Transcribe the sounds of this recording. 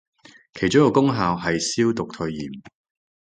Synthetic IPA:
kʰe˨˩jt͡ʃʊ˥ŋkɔː˨˧kʊ˥ŋɦaː˨˧wɦɐ˨jsiː˥wt̪ʊ˨k̚t̪ʰɵ˧ɥjḭː˨˩m

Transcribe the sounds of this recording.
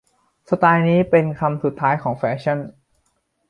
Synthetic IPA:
sa˧t̪aː˧jniː˦˥pe˧nkʰa˧msu˨˩t̪ʰːaː˦˥jkʰɔː˩˦ŋfɛː˦˥ɕʰa˥˩n

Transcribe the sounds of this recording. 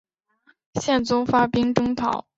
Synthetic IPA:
ɕjɛ˥˩nt͡sʊ˥ŋfa˥pi˥ŋʈ͡ʂɤ˥ŋt̪ʰɑ˨˩˦ʊ

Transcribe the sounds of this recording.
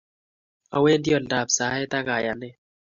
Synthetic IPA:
a˨we˦ndi˦ɔ˨nda˨psa˨˦ɛ˦t̪a˦ka˨ja˨nɪ˦

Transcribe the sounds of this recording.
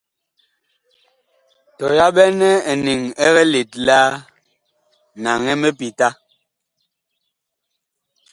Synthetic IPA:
tɔ˨ja˦ɓɛ˦nɛ˦ɛ˨ni˨ŋɛ˦ɣɛ˦le˨t̚la˦ | na˨ŋɛ˦me˦pi˨ta˦

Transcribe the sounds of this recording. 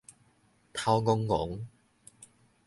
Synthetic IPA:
t̪ʰa˧wŋʊ˧ŋːʊ̰˨˥ŋ

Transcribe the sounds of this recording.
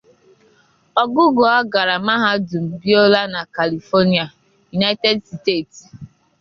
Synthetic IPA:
ɔ˨ɡʊ˦ɡo˨a˦ɡa˨ɾa˨ma˦ɦa˦du˨m̩˨bi˦o˦la˦na˨ka˨li˨fɔ˦ni˦a˨ | ju˨na˦te˦dste˦˨t

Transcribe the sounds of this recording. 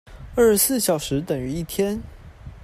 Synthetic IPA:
ə˥˩ʂsɹ̩˥˩ɕjɑ˨˩ʊʂɻ̩˧˥t̪ə˨˩ŋy˧˥i˥˩t̪ʰjɛ˥n

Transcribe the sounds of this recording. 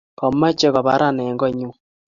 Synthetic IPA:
kɔ˨ma˦t͡ʃe˦kɔ˨ba˨˦ɾa˦˨nɛ˨ŋɡɔ˦ɲu˦

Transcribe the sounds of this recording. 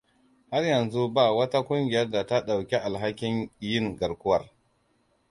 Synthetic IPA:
ha˦rjɐ˨nzu˦ba˦˨wɐ˦ta˦kʷʊ˦ŋɡʲɪ˨jɐ˦rda˨ta˦ɗa˨wkʲe˦ʔa˨lɦa˦kʲɪ˦njɪ˦˨ŋɡɐ˨ɽkʷʊ˦wɐ˨r

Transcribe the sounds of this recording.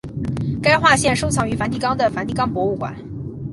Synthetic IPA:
ka˥ɪxwa˥˧ɕjɛ˥˩nʂo˥ʊt͡sʰɑ˨˩ŋy˧˥fa˧˥nt̪i˥˩kɑ˥ŋd̪ə˨fa˧˥nt̪i˥˩kɑ˥ŋpwɔ˧˥u˥˩kwa̰˨˩˦n

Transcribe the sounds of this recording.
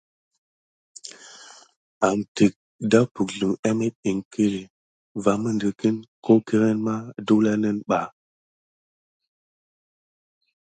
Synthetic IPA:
a˨mti˨k̚ | da˦pu˨kɮu˨ŋɛ˦me˦t̚i˨ŋkʰə˦li˨ | va˨mə˦ndə˨ki˦nko˦ki˦ɾe˦nma˦du˦la˦nə˦nɓa˨

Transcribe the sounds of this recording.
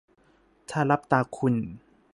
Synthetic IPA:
t̪ʰaː˧˩la˦˥p̚t̪aː˧kʰu˧˨n

